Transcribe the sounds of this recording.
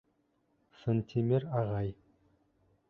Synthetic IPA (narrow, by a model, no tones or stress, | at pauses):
sɤnt̪ʲʰimeɾɑʁɑj